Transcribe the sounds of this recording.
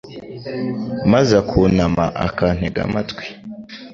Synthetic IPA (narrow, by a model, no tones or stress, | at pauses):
mazakʰunama̰ʔa̰kan̥heɡa̰matwi̥